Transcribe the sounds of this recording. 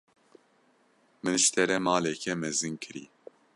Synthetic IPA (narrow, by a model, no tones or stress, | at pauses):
mɨnʃt̪ʰɛɾɛmɑːlɛkʰɛmɛzɨŋkʰɨɾḭː